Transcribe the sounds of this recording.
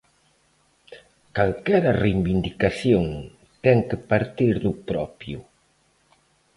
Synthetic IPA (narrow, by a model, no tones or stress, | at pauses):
kalkɛɾɐrejβind̪ikaθjoŋ | t̪ɛŋkepaɾt̪iɾðʊpɾɔpju